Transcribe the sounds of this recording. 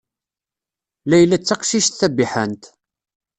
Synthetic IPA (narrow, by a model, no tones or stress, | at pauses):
læjlːæt͡sːaqʃiʃt̪θæbiħənt̪